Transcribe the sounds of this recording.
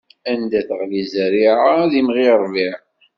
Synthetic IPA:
ænd̪æθəʁlizəɾiʕaðimʁiɾˤviʕ

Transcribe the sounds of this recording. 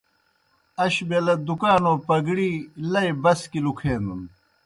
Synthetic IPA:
ɐɕbelɐd̪ukaːnoːpɐɡɽiːlɐjbɐskilukʰeːnd̪un

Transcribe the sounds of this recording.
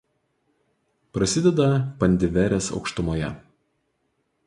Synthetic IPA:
pɾɐsʲɪd̪ʲɛd̪ɐpɐnʲd̪ʲɪʋʲɛɾʲeːsɒ̰ʊkʃt̪ʊmoːjɛ̰

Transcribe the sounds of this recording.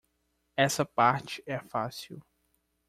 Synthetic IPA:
ɛsɐpaɾt͡ʃɪɛfasiw

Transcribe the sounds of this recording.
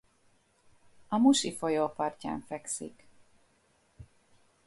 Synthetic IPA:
ɒmuʃifojoːpɒrca̰ːɱfɛksḭk

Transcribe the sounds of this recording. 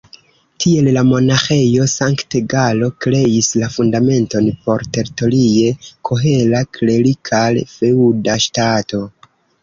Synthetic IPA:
tʰie̞llamo̞naxe̞jo̞saŋkteɡalo̞kɾe̞islafundame̞nto̞npo̞ɾte̞ɾito̞lie̞kʰoɦe̞lakle̞likʰalfe̞udaʃtato̞

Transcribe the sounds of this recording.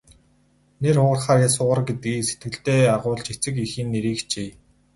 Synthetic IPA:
nerχʊːʁə̆rχaːrjasʊːʁə̆rɡet̪̚ɡiːset̪̚ɡɘ̆ɬt̪eːaʁʊːɮt͡ɕet͡sɘ̆kixiːnːeɾiːkt͡ɕeː

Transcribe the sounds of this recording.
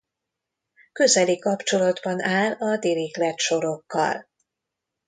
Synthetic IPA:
kø̞zɛlikɒpt͡ʃo̞lɒd̪bɒnaːlɒd̪iɾiklɛt̪ʃo̞ɾo̞kːɒ̰l

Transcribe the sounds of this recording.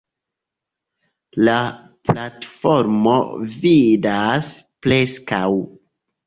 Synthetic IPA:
la | platfo̞ɾmo̰vidasple̞skaw

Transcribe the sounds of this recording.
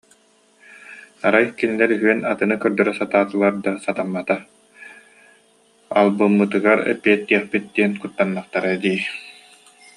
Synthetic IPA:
aɾajkinilɛɾyɦyɛnat̪ɯnɯkœɾd̪œɾɛsat̪aːt̪ɯlˠaɾd̪asat̪amːat̪a | a̰lˠbɯmːɯt̪ɯɡaɾɛ̰piɛt̪̚ːiɛχpit̪̚d̪̥iɛnkut̪ːanːaχt̪aɾad̪iː

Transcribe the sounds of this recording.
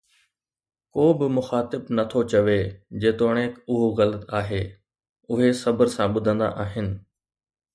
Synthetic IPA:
koːbɪmʊxaːt̪ɪbnɐt̪ʰot͡ɕɐʋed͡ʑeːt̪oːɽ̃eːkʊɦoɣɐlət̪aːɦeː | ʊɦesɐbəɾsãɓʊd̪ʱə̃nd̪a̰ʔaːɦɪnɪ̆

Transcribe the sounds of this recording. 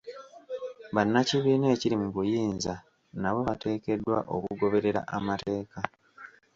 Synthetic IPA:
βanːaciβiːneːciɾimuβujiːnza | naβo̞βate̞ːke̞dːwa̰ʔo̞̰kuɡo̞βe̞ɾe̞ɾa̰ʔamatʰe̞ːka

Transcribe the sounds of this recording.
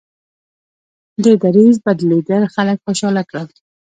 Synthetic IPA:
d̪əd̪aɾizbad̪leɡ̪aɾxaləkxoʃɑlakɽaw̪

